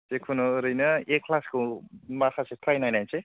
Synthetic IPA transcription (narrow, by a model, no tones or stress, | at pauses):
sekʰunoɾɯjnɐekʰːlaskomakʰaset̪ʰajnajnajnse